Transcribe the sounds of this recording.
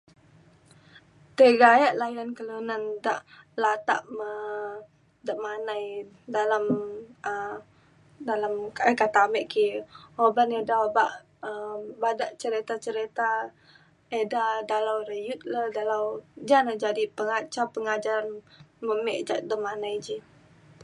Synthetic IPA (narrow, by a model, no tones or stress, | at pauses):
t̪əɡajaʔlajankəlunandaʔlat̪a̰ʔmə | dəʔmanaj | dalamə | dalamkkat̪amɛʔkihobanedabaʔ | əbadaʔt͡ʃəɾit̪at͡ʃəɾit̪a | edadalawɾəjut̪̚ladalawd͡ʒanad͡ʒadipəŋat͡ʃapəŋad͡ʒaɾanməmɛʔd͡ʒaʔdəmanajd͡ʒi